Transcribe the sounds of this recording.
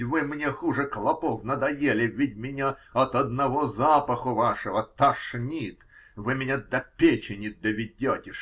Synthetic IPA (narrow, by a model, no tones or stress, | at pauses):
vɨmnʲexuʐɨklˠɐpofnəd̪ɐjelʲɪvʲɪtʲmʲɪnʲaɐt̪ɐd̪nɐvozapəxʊvaʂəvət̪ɐʂnʲit̪vɨmʲɪnʲad̪ɐpʲet͡ɕɪnʲɪd̪əvʲɪdʲotʲɪʂ